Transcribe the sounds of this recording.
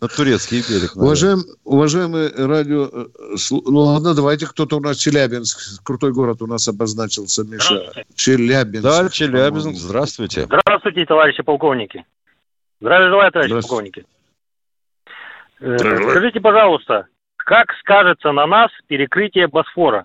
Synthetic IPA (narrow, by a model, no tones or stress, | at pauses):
nət̪ʊɾʲet̪skʲɪjbʲeɾʲɪnʊvɐʐajɪmʊvɐʐajɪmɨjradʲɪosnulˠad̪nəd̪ɐvajt̬ʲɪkt̪o̞t̪əʊnast͡ɕɪlʲæbʲɪnskkɾʊt̪o̞jɡo̞ɾət̪ʊnasɐbɐznat͡ɕɪlˠsʲəmʲeʂt͡ɕɪlʲæbʲɪnd̪at͡ʃɪlʲæbʲɪnszd̪ɾast̪vʊjtʲɪ̰d̪ɾast̪vʊjtʲɪt̪ɐvaɾʲɪɕːɪpɐlˠko̞vnʲɪkʲɪ | zd̪ɾavʲjʐɨlˠajət̪ɐvaɾɪʃˠkovnʲɪkʲɪ | kɐʐɨtʲɪpɐʐɑlˠʊst̪ə | kakskaʐɨt̪sənɐnaspʲɪɾʲɪkɾɨtʲɪjəbɐsfo̞ɾə